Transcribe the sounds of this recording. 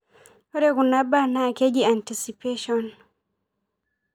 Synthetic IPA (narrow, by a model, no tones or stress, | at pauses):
ɔɾɛkunabanaked͡ʒiantisipeʃɔn